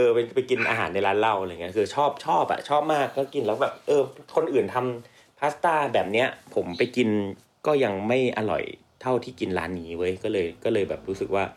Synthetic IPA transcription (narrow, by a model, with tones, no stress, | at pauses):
ʔɤː˧pa˧pa˧jki˧nʔa̰ː˧ɦaː˩˦nːa˧jlaː˦˥nla˥˩wŋi˦˥˩kʰɯː˧t͡ɕʰɔː˥˩p̚t͡ɕʰɔː˥˩p̚ʔa̰˨˩t͡ɕʰɔː˥˩p̚maː˥˩kːɔː˦˥˩ki˧nlɛː˦˥wbɛː˨˩p̚ʔɤː˧kʰo˧nʔɯː˨˩nt̪ʰa˧m | pʰaː˦˥st̪aː˥˩bɛː˨˩p̚ni˦˥ɐpʰo˩˦mpa˧jki˧n | kɔː˥˩ja˧ŋma˥˩jʔa˧lɔ̰˨˩j | t̪ʰa˥˩wt̪ʰiː˥˩ki˧nɾa̰ː˦˥nːiː˦˥wɤ˦˥jkɔː˥˩lɤː˧jkɔː˥˩lɤː˧jbɛ̰ː˨˩p̚ɾu˦˥sɯ˨˩k̚waː˥˩